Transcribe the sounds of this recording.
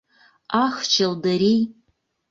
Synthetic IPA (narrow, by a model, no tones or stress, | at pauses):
axt͡ʃʰɐldɐɾij